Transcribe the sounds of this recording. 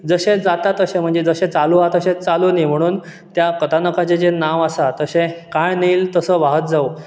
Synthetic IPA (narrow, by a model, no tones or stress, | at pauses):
d͡zəɕed͡zat̪at̪əɕẽm̤əɳd͡zed͡zəɕẽt͡saluat̪əɕẽt͡salunim̤əɽ̃uːn | t̪jakət̪ʰanəkat͡set͡senaʋasat̪əsẽkãjniːlt̪əsəːʋaɦət̪̚d͡zao